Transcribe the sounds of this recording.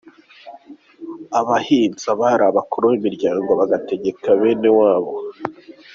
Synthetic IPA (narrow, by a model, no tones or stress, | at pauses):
aβahiːnzaβaɾaβakoɾowimiɾɟaːŋɡoβaɡate̞ɟe̞kaβe̞ːne̞waːβo̞